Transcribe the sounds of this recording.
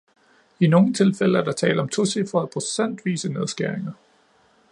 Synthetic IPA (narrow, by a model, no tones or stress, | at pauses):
ino̝ːŋ̩t͡sʰe̝lfel̰əæɐd̥ɑ̈t͡sʰɛ̰ːləɒ̽mt͡sʰosifɒ̽æðˠpʰʁo̝sen̰d̥ʋḭːsəne̝ð̞ˠsɡ̥æɐ̰eŋɐ